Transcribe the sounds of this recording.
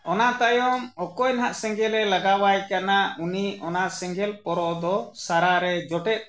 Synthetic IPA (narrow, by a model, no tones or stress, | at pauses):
ɔnat̪ajɔmɔkɔjnɦaʔsɛ̃ŋɡɛlɛlaɡawajkanauniɔnaʔsɛŋɡɛlpɔɾɔd̪ɔsaɾaɾɛd͡ʒɔʈɛt̪̚